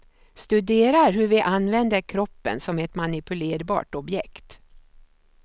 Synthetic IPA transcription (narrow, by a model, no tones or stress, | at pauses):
st̪ɵd̪eːɾaɾɦɵɾvɪʔanvɛnd̪əɾkʰɾɔpːə̰nsɔmɛt̪manɪpɵleːɾbɑ̰ːʈɔbjɛkt̪